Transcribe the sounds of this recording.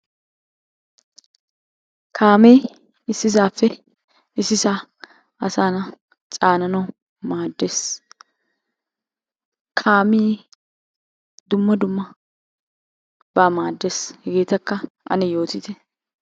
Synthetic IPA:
kʰaːmiː | ɪsːɪs̬aːfːɛ | ɪsːɪsa | ɐsaːnɐ | t͡sʼaːnɐnɐ | maːd̪ːe̞ːs | kʰaːmiː | d̪ʊmːɐd̪ʊmːɐ | b̥aːmaːd̪ːe̞ːshɛɡeːt̪ɐkːɐ | ʔɐ̰nɛjo̞ːt̪ɪt̪ɛ

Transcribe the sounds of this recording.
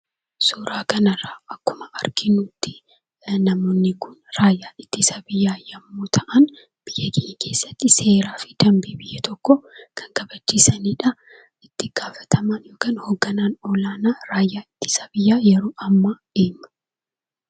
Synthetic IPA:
suːɾaːkɐnɐrːaːʔɐkːʊmɐʔɐɾɡɪnuːt̪ːɪ̥ | nːɐmoːnːɪkʊnɾaːjːaːɪt̪ːɪsɐbɪjːaːjɐmːoːt̪ʰɐʔɐn | b̥ɪjːɐɡɪʔkʰe̞ːsːɐt̪ːɪse̞ːɾaːfɪd̪̥ɐmbiːbɪjːɐt̪ʰɔkːɔkʰɐ̥ŋkɐbɐt͡ʃːiːsɐniːᶑɐ | ɪt̪ːɪɡ̥aːfɐ̥t̪ʰɐmaːnjoːkɐːnhoːɡːɐnaːnɔlaːnaːɾaːjːaːɪt̪ːɪ̥sɐbɪjːaːjɛɾoːʔɐmːɐᶑeːmːɐ̥

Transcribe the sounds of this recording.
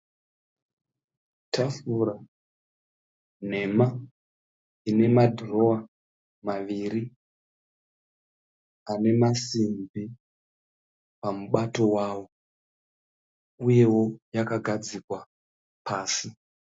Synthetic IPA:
tʰafura | n̤e̞ma | ine̞madʱro̞a | maʋiːɾi | ane̞masimbi | pamuɓato̞waːwo̞ | uje̞wo̞jakaɡʱad͡zikwa | paːsi

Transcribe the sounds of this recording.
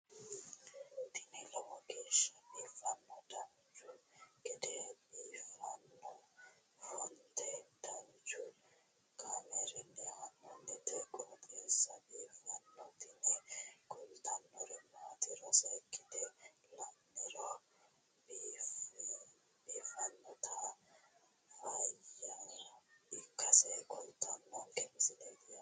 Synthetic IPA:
t̪ɪnɛlɔwɔɡeːʃːɐbiːfɐnːɔd̪ɐm | d͡ʒʊkʼɪd̪ɛbiːfɐnːɔ | hɔnt̪ʰɛd̪ɐwd͡ʒʊ | kʼamɛɾɛnːɛhɐnːɔnːɛt̪ɛkʼɔt̪ʼeːsːɐbiːfɐnːɔt̪ɪnɛkʼɔlt̪ʰɐnːɔɾɛmaːt̪ɪɾɔsɐkːɪd̪ɛlɐnːɛɾɔ | bf | biːfɐnːɔt̪ʰɐ | fɐjɐ | ɪkːɐsɛjkʼɔlt̪ʰːɐnːɔkʼɛnsɪd̪ed̪ɪɐ

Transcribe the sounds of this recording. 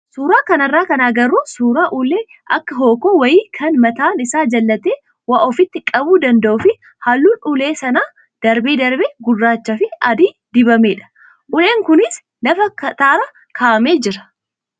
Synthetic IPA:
suːɾaːkɐnɐrːaːkɐnaːɡɐruːsuːɾaːʔʊleː | ʔɐkːɐɦoːkoːwɐjiːkʰɐnmɐt̪aːnɪsaːd͡ʒɐlːɐt̪eː | waːʔɔfɪt̪ːɪkʼɐbuːd̪ɐnd̪ɐʔʊfɪ | halːuːnʊleːsɐnaː | d̪̥ɐɾbeːd̪ɐɾbeːɡʊrːaːt͡ʃːɐfɪɐd̪iː | d̪̥ɪbɐmeːᶑɐ̥ | ʔʊleːŋkʊnɪs | nɐfɐkɐt̪aːɾɐ | kʰaːʔɐmeːd͡ʒɪɾɐ̥

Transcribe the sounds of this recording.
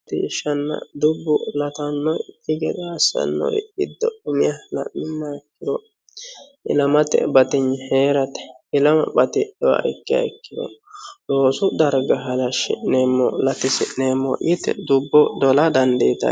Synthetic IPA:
t̪ɪɪʃɐnːɐ̰d̪ʊbːʊlɐt̪ɐnːɔjkːɪɡɛd̪ɔɐsːɐ̰nːɔ̰jɡɪd̪ːɔʊmɪjɐlɐ̰ʔmːɪnːaɪkːɪd̪ɔ | ɪlɐmɐt̪ɛ̰bɐt̪ɪɲːheːɾɐt̪ɛ̥ | ɪlɐmɐ̰bɐt̪ɪʔɛwa̰ɪkːɪjɐ̰ɪkːɪd̪ɔ̰ | doːsʊd̪ɐɾɡɐɦɐlɐʃɪ̰nemːɔlɐt̪ɪsɪʔneːmːɔ̰ʔɪt̪ɛ̰d̪ʊbːɔd̪ɔlɐd̪ɐnd̪ɛjt̪ɐ̰

